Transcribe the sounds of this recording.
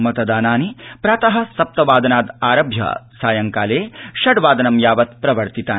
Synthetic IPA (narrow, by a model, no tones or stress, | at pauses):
mɐt̪ɐd̪aːnaːnipɾaːt̪ɐɦɐ̆sɐp̚t̪ɐʋaːd̪ɐnaːd̪aːɾɐbʱjɐ̰saːjɐŋkaːleːʃɐɽʋaːd̪ɐnɐmjaːʋɐt̪pɾɐʋɐɾt̪it̪aː